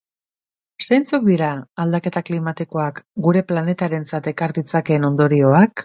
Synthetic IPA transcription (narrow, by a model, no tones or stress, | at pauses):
sejnt͡suk̚d̪iɾaːld̪ake̞t̪aklimat̪iko̞akɡuɾe̞plane̞t̪aɾe̞nt͡sat̪e̞kaɾðit͡sake̞no̞nd̪o̞ɾio̞ak